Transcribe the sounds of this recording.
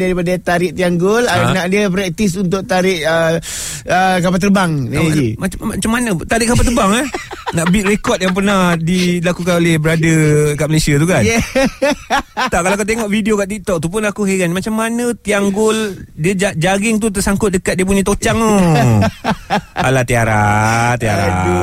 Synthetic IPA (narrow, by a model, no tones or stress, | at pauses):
daɾipadat̪aɾɪʔt̪iaŋɡʊlanaʔdiəpɾɛk̚t̪isunt̪̬ʊʔt̪aɾɪʔə | əkapat̪ərbaŋnd͡ʒimaat͡ʃamːanət̪aɾɪʔkapat̪ərbaŋahnaʔbit̪̚rekɔt̪̚jaŋp̬ərnahdilakuk̬anolɛhbəɾadəkaʔməlesiat̪ukanɛ | t̪aʔkalaakat̪̬eŋɔʔfidiokaʔt̪ik̚t̪ɔk̚t̪upʊnakuheɡanmat͡ʃamːanət̪iaŋɡʊldiəd͡ʒad͡ʒaɡɪŋt̪̬ut̪əsaŋkʊt̪̚dəkat̪̚diəp̬uɲat̪ot͡ʃaŋu | alat̪iaɾa̰t̪ia̰ɾa̰